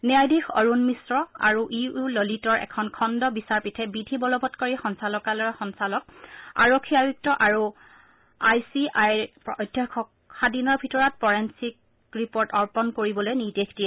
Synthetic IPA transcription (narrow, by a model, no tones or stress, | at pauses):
nɛajdixɔɹunmisɹɔa̰ɹuʔiulolitɔɹʔɛ̰kʰɔnkʰɔndɔbisaɹpitʰɛbidʱibɔlɔbɔtkoɹixɔnsalɔkalɔɹxɔnsalɔk̚a̰ɹokʰːiabuk̚tɔʔaɹu | ajsiajpɔjdʱjɔkʰɔk̚ | xadinɔɹbʱitɔɹɔt̚pɔɹensik̚ | ɹipoɹtɔɹpɔnkoɹibɔlojnidekʰtiɛ